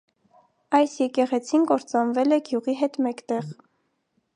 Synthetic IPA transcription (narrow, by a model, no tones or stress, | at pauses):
ɑjsjɛkɛʁɛt͡sʰinɡɔɾt͡sɑnvɛlɛɡjuʁiɦɛt̪mɛkt̪ɛʁ